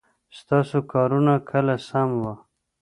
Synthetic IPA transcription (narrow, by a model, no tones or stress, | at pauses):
st̪ɑsokɑːɾunakʰəlasamwa